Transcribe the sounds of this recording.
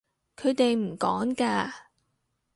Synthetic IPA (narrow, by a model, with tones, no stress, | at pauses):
kʰɵ˨˧ɥt̪e˨jm̩˨˩kɔː˨˥ŋkaː˧